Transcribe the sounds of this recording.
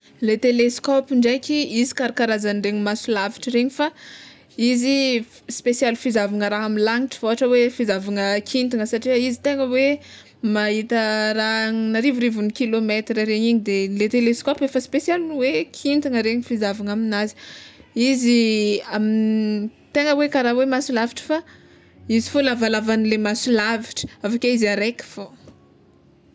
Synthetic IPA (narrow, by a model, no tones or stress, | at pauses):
let̪eleskopiɳɖ͡ʐekʲiizi̥kaɾakaɾazanɖ͡ʐeɲimasulavi̥ʈ͡ʂəɾeɲifa | izi | spesjalfizavaŋəɾaɦaminlaŋiʈ͡ʂə̥voɦaʈ͡ʂəwefizavaŋəkʰint̪iŋəsaʈ͡ʂiəizit̪eŋəwe | maɦit̪əɾaŋnaɾivuɾivunikilomet̪ɾəɾeɲiɲid̪elet̪eleskopefəspesjalniwekʰint̪iŋəɾeɲifizavaŋaminazi̥iziamint̪eŋəwekaɾawemasulaviʈ͡ʂə̥fa | izifolavalavanilemasulaviʈ͡ʂə̥avakʲeizaɾekə̥fo